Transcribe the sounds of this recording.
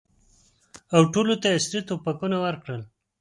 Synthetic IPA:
awʈolot̪aasɾit̪opakunawəɾkɽəl

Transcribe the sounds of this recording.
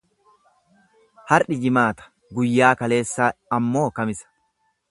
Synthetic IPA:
hɐɾᶑɪd͡ʒɪmaːt̪ɐ̥ | ɡʊjːaːkɐle̞ːsːaːɐmːo̞ːkɐmɪsɐ̥

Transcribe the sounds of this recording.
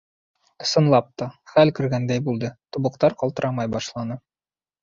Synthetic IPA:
ŏsɤ̆nlˠɑp̚t̪ɒχælkɵ̆ɾɡænd̪æjbulˠd̪ɤt̪uβɤ̆qt̪ɑɾqɒlˠt̪ɤ̆ɾɑmɑjbɒʃlˠɑnɤ

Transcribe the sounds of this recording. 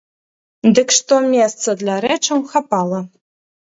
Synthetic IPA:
d̪ɨkʂt̪ɔmʲɛst̪sɐd̪lʲaɾɛt͡ʂɐwxapalˠɐ

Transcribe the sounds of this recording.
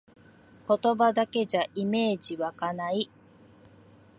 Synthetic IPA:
ko̞t̪o̞bad̪ake̞ʑaʔime̞ːd͡ʑiβakanai

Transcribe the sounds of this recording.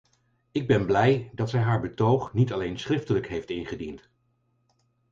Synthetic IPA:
ɪɡ̚bɛnblɛjdɑtsɛjɦaːɹbətowχnitɑlejnsχrɪftələkɦejftɪnχədint

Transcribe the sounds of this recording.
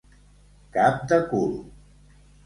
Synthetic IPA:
kap̚d̪əkul

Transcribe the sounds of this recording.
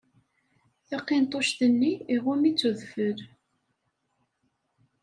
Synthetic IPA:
θɑqːint̪ˤoʃθənːiːʁʊmit͡sːuðfəɾ

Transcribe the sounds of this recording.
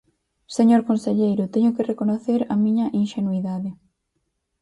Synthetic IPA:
seɲoɾkonseʎejɾʊt̪ɛɲʊkɪrekonoθeɾɐmĩɲɐʔinʃenuiðaðɪ

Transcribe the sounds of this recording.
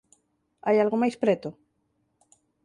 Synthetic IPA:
ajalɣomajspɾet̪o

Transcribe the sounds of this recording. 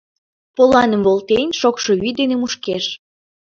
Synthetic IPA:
polɑnəmvolˠt̪enʲʃokʃo̽yd̪enemuʃkeʃ

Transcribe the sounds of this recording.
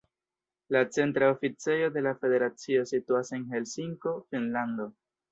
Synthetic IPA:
lat͡se̞ntɾaofit͡se̞jo̞d̪e̞lafe̞de̞ɾat͡sio̞situase̞nɦe̞lsiŋko̞finland̪o̞

